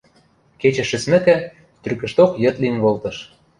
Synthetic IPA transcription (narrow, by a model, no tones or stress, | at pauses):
ket͡ɕɘ̆ʃɘ̆smɘ̆kæ̆ | t̪yrkɘ̆ʃt̪okjɘ̆t̪linvolt̪ɤ̆ʃ